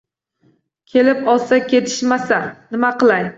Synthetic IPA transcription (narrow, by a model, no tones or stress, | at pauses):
kʲʰe̞lɪpɒlˠsakʲʰet̪ʰɪ̥ʃmasanɪmaqɨlˠaj